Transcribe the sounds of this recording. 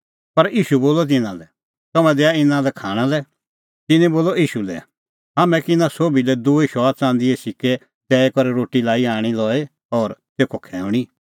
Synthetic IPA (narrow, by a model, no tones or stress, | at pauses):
pɐɾiːʃuboːlɔt̪̬ɪnãlɛ | t̪ɔmɛ̃d̪ɛːaɪnãlɛkʰaːɽ̃alɛ | t̪ɪnɛ̃boːlɔiːʃulɛ̰ | ɦaːmɛ̃kɪnãsoːbilɛd̪uːeʃɔːat͡sãːnd̪iesɪke | t̪ɛːekɔɾɛɾoːʈilaːiaːɽ̃ilɔːe | ɔːɾt̪eːkʰokʰɛːʊ̃ɽ̃i